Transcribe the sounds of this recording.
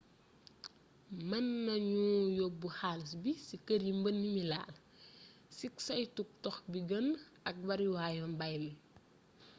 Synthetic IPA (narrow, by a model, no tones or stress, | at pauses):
mɐnːɐɲujobuxaːls̬bisikːəɾjimbənːimila̰ːl | siksɐjtuk̚tɔxbiɡən | ɐk̚bɐɾjuwaːjɔmbajmi